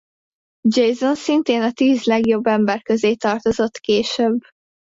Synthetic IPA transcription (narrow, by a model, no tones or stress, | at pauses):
d͡ʒejzo̞nsint̪eːnɒt̪iːzlɛɡjo̞bːɛmbɛrkøzeːt̪ɒrt̪o̞zo̞t̪keːʃøbː